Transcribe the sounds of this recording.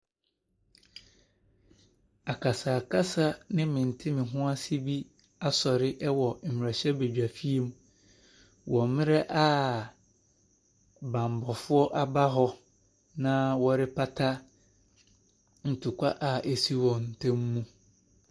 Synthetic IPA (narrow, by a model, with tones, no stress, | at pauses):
a˨kʰa˨saː˨kʰa˦sa˦nɪ̃˦mɪ̃˨n̩˨tʰɪ˦mɪ̃˨ɦʊ̃˦a˦si˦bi˦ | a˦sɔ˨ɾɪ˦ʔɛ˦wɔ˨m̩˨mɪ̃˨ɾa˨ɕɛ˦be˨d͡ʑᶣa˨fi˦e˦m˦ | wʔɔ̃˨mɪ̃˦ɾɛ˦ʔa˦ | bã˨m˨bɔ˨fʊ˦ɔ˦ʔa˦ba˦ɦɔ˦ | nã˦wɔ˦ɾɪ˦pʰa˦tʰa˦ | n̩˨tʰʊ˨kʷʰa˦ʔa˨ʔe˨si˦wɔ̃˨n̩˨tʰɛ̃˦mː˦ũ˦